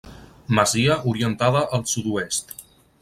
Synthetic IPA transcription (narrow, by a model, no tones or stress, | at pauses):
məziəʔuɾiənt̪aðəʔəlˠsud̪uest̪